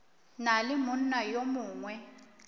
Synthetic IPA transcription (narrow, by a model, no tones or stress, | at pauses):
nalɪmʊn̩najomuːŋwɛ